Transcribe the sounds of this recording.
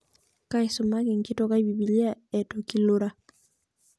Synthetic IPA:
ka˦ɪ˦sʊ˨ma˦kɪ˨ŋkɪ˦tɔ˦ka˦i˦bi˨bi˨li˦a˦ɛ˨to˨ki˦lo˦ɾa˦

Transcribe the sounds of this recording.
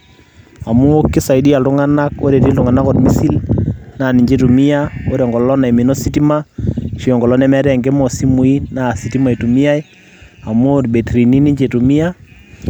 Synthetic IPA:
a˨mu˦o˦kːi˦sa˨i˨di˦a˨ltu˦ŋa˦na˦ko̰˦ɾe˨ti˦ltu˨ŋa˨na˦ko˨tmi˦si˦lna˨ni˨ɲd͡ʒe˦tu˨mi˦ja˦o˦ɾɔ˨ŋɡɔ˨lɔ˦lɔ˦na˨i˨mi˨no˦si˦ti˦ma˦ʃi˨ɔ˨ŋɡɔ˨lɔ˦nɛ˦mɛ˦ɾɛ˦˨ŋɡe˦mɔ˨si˦mu˨i˦na˨si˨ti˦ma˨i˨tu˨mi˦a˦j | a˨mu˦o˦dbe˨tɾi˨ni˦ni˦ɲd͡ʒe˨tu˨mi˦ja˦

